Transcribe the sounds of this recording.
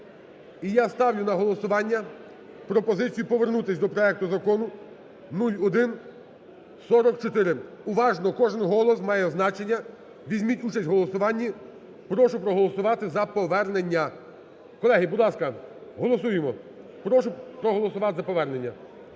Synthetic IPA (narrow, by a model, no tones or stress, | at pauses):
ijast̪ɑwjʊnɐɦɔlˠɔsʊʋɑnʲːɐ | pɾɔpɔzɪt͡sʲijʊpɔʋernut̪ɪsʲd̪ɔpɾɔɛk̚t̪ʊzɐkɔnʊ | nulʲɔd̪ɪn | sɔɾɔkt͡ʃɔt̪ɪɾɪ | ʊʋɑʒnɔkɔʒɪnɦɔlˠɔs̬mɑjɛznɑt͡ʃenʲːɐ | ʋʲizʲmʲitʲut͡ʃɐsʲtʲɦɔlˠɔsʊʋɑnʲːi | pɾɔʃʊpɾɔɦɔlˠɔsʊʋɑt̪ɪzɐpɔʋɛrnenʲːɐ | kɔlˠɛɦibʊd̪lˠɑskɐɦɔlˠɔsujemɔ | pɾɔʃʊpɾɔɦɔlˠɔsʊʋɑt̪zɐpɔʋɛrne̞nʲːɐ